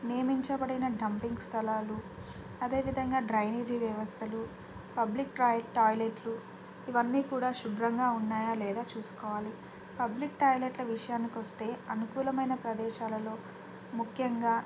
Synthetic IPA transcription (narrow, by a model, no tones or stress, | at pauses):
nijɐmiɲt͡ʃɐbɐɽinɐɖʱɐmpiŋɡst̪ʰɐlaːlu | ɐd̪e̞ːʋid̪ʱɐŋɡaːɖɾɐjneɾd͡ʒiːʋjɐʋɐst̪ʰɐlu | pɐblikʈɾaːjʈaːjleʈlu | iʋɐnːiːkuːɽaːʃubɾɐŋɡaːunːaːjaːlɛːd̪aːt͡ʃuːsu̥kɔːʋaːli | pɐblikʈaːjleʈlɐʋiʂɐjaːnikiʋɐst̪e̞ːɐnukuːlɐmɐjnɐpɾɐd̪ɛːʃaːlɐlo̞ː | mukʰjɐŋɡaː